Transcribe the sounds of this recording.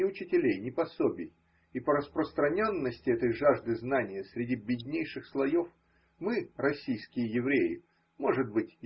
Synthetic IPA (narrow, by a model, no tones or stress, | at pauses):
ɪʊt͡ɕɪtʲɪlʲejnʲɪpɐso̞bʲɪj | ipəɾəspɾəst̪ɾɐnʲo̞nːəsʲtʲɪɛt̪əjʐaʐd̪ɨznanʲɪjəsɾʲɪdʲibʲɪdʲnʲejʂɨxslˠɐjo̞f | mɨɾɐsʲijskʲɪjəjɪvɾʲejɪ̰ | mo̞ʐɨd̪̚bɨtʲ